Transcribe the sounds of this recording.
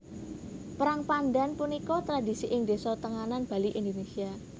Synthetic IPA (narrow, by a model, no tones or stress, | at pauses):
pəɾaŋpanɖanpunikɔt̪ɾad̪isiʔɪŋd̪esɔt̪əŋananb̥a̤liʔind̪onesia